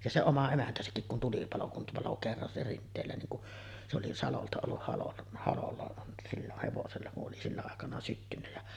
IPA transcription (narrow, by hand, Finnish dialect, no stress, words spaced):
jɑ se omɑ emæntæsækːik kun tulipɑlo kum pɑlo kerːɑn se rintˑeːlæ niːŋ kuʔ se oli sɑloltɑ olːuh hɑlon hɑlolːɑ silːoh heʋoselːɑ kuʔ ʔoli silːæ ɑˑekɑnɑ sytːynːæ jæ